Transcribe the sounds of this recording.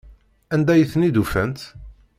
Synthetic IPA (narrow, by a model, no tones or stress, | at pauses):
ænd̪æjəθnid̪ufænt̪